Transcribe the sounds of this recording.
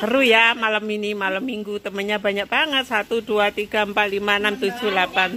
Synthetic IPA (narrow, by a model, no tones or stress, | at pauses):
kəɾujamalaminimalamːiŋɡut̪əmənɲabaɲak̚b̥aŋət̪̚sat̪uduat̪iɡ̥a̤əmpat̪̚limanamt̪u̥d͡ʒ̥ulapan